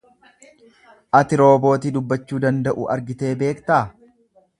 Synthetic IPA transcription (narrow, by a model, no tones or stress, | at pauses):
ʔɐt̪ɪɾo̞ːbo̞ːt̪id̪ʊbːɐt͡ʃːuːd̪ɐnd̪ɐʔṵʔɐ̰ɾɡɪt̪e̞ːbe̞ːkt̪aː